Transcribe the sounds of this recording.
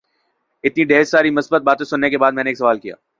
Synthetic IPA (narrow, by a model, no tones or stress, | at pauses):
ɪt̪niɖeːssaːɾimʊsbət̪̚baːt̪ẽsʊnːekebaːd̪̚mɛ̃ːneːksɐʋaːlkija̰ː